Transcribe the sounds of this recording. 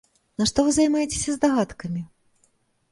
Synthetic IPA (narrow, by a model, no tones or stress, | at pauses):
nɐʂt̪ɔvɨzɐjmajet͡sʲe̥sʲɐzd̪ɐɣat̪kɐmʲi